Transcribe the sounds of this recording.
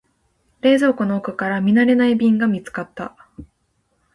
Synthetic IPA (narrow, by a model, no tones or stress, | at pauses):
ɾe̞ːzo̞ːkonoːkɯ̟kaɾamʲinaɾe̞naibʲĩŋɡamʲit͡sɨ̥kat̪ːa̰